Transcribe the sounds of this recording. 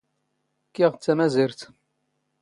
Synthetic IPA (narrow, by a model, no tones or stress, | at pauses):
kːiʁt͡sːæmæziɾt̪